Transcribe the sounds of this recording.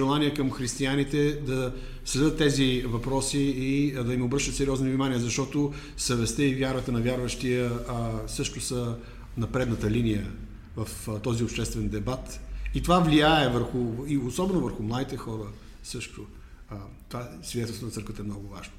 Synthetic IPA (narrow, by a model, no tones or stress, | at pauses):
ɛlˠaniɛkəmxɾist̪ianit̪ɛd̪ɐ | slɛd̪ət̪ːɛzivɐpɾɔsiːd̪ɐimobɾəʃt̪ət̪sɛɾiɔznovnimaniəzɐʃt̪ɔt̪o | sɐvɛst̪əivʲjaɾət̪ənɐvʲjaɾvəʃt̪ijəsɤʃt̪ʊsə | nɐpɾɛd̪nət̪əlinijə | vɐft̪ɔziʊpʃt̪ɛst̪vɛnd̪ɛbat̪it̪ovavliaɛvəɾxʊiosɔbɛnovəɾxʊmlˠad̪it̪ɛxɔɾə | sɤʃt̪ʊ | t̪ovasvʲid̪ɛt̪ɛlˠsnɐɾkvət̪əɛmnɔɡʊvaʒno